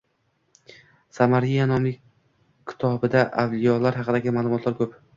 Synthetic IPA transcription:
samaɾijanɒmlɪkʲ | kʲʰːɪ̥t̪ʰɒbɪd̪aʔavlijɒlaɾɦɑqɨd̪aɡʲɪmaːlˠʊmɒt̪laɾkʰɵp

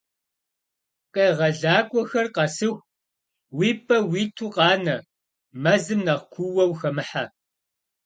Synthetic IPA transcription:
qeːʁɐɮaːɡʷʼɔxɐrqɐsɨxʷ | wiːpʰʼɐwiːtʰuːqɑːnɐ | mɐzɨmnɐʁkʷʰuwɐwxɐmɨħa

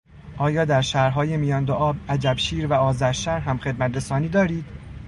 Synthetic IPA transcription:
ʔɒːjɒːd̪æɾʃæːɾɦɒːjemijɒːnd̪oʔɒːbæd͡ʒæbʃiːɾvæɒːzæɾʃæɾɦæmxe̞d̪̚mæt̪ɾe̞sɒːniːd̪ɒːɾiːd̪̥

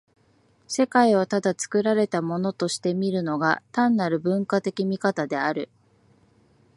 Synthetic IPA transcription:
se̞kaiβ̞at̪ad̪at͡sɨ̥kɯ̟ɾaɾe̞t̪amo̞no̞t̪o̞ɕi̥t̪e̞mʲiɾɯ̟no̞ɡa̰t̪ãnːaɾɯ̟bɯ̟̃ŋkat̪e̞kʲimʲikat̪ad̪e̞aɾɯ̟

